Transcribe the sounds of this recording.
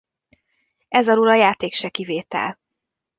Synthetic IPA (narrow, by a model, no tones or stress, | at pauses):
ɛzɒluɾɒjaːt̪eːkʃɛkiveːt̪ɛ̰l